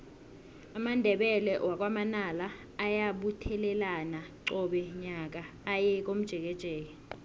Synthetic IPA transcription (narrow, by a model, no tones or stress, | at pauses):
amandʱɛɓɛlɛwak̬wamanalaː | jaɓutʰɛlɛlanaǁɔɓɛɲak̬aː | jɛk̬om̩d̥ʒ̥ʱɛk̬ɛd̥ʒ̥ʱɛːk̬ɛ